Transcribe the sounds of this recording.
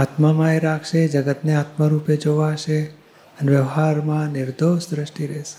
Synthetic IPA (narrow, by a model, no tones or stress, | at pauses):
at̪məmaeɾakʰʃed͡ʒəɡət̪neat̪məɾuped͡ʒoʋaʃe | əneʋjəʋɦaɾmãnɪɾd̪oʃd̪ɾəʃʈiɾɛʃe̥